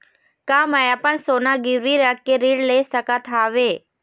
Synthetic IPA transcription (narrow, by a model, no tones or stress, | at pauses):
kaːmajapəɳsoːnaɡɪɾʋiɾəkeɾiːɽlesəkat̪ʰaʋeː